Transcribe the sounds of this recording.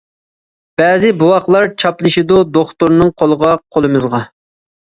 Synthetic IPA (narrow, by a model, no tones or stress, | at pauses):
b̥ɛːzɪbuwɑqlˠɑɾt͡ʃʰɑplˠɨʃid̪ud̪oχt̪uɾnɨŋqʰolˠəʁɑqʰolˠɨmɨzʁɑ